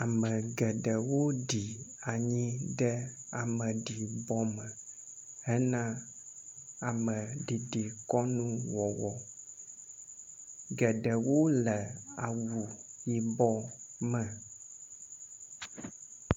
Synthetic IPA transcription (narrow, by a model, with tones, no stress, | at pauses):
a˨mə̃˨ɡɛ˨ɖə˨wo˦ɖi˨a˨ɲĩ˦ɖɛ˦a˨mə̃˨ɖi˨bɔ˦mə̃˨ | hɛ˦nã˦ | a˨mə̃˨ɖi˨ɖi˨kɔ˦nũ˦wɔ˨wɔ˨ | ɡɛ˨ɖə˨wo˦lɛ˨a˨wu˨ji˦bɔ˦mɛ̃˨